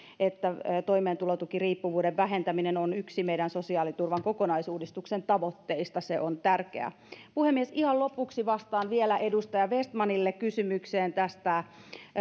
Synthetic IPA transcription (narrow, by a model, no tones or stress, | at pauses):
et̪ːæt̪oimeːnt̪ulot̪ukiriːpːuʋuːdeʋʋæɦent̪æminenonyksimeidænsosiɑːlit̪urʋɑŋkokonɑisuːdist̪uksent̪ɑʋot̪ːeist̪ɑseʔont̪ærkḛæ̰ | puhemːiesihɑllopuksiʋɑst̪ɑːnʋielæʔedust̪ɑjɑʋest̪mɑnilːekkysymykseːnt̪æst̪æ